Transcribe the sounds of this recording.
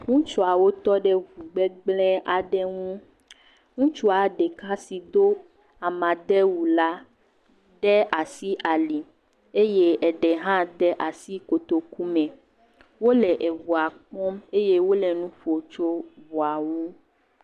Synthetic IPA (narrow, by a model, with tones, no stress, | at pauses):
ŋũ˦t͡ʃu˦a˨wo˦t̪ɔ˦ɖɛ˦vu˨ɡ͡bɛ˦ɡ͡blɛ˦a˨ɖɛ˦ŋũ˦ | ŋũ˦t͡ʃu˦a˨ɖɛ˨ka˦si˨d̪o˦ | a˨mã˨d̪ɛ˦wu˨la˦ | ɖɛ˦ʔa˨si˦ʔa˨li˨ | e˦je˦ɛ˨ɖɛ˨ɦã˦d̪ɛ˦ʔa˨si˦ko˨t̪o˨ku˦mɛ̃˨ | wo˦lɛ˨ʔe˨vu˨a˨k͡pɔ̃˦me˦je˦wo˦lɛ˨nũ˦ɸo˨t͡ʃo˦vu˨a˨wu˦